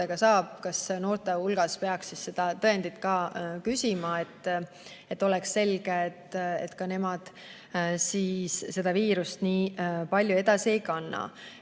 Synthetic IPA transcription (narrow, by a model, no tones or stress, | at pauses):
eɡ̥ɑsɑːb̥kɑsno̞ːrt̪ehulɡ̥ɑspe̞ɑksːisse̞d̪̥ɑt̪ɤend̪̥it̪kɑːkysʲimɑe̞t̪ːˑ | et̪ːˑo̞lɛksːe̞lɡ̥eːt̪ːḛt̪ːkɑne̞mɑd̪̥ | siːsːe̞d̪̥ɑviːɾust̪niːpɑlʲjue̞d̪̥ɑsiejkɑnːɑ̰